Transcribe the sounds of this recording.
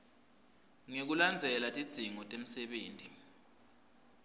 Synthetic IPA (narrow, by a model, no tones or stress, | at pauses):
ŋek̬uland͡zʱɛlatʼid̥ʱiŋɔtʼem̩sɛɓeːntʼi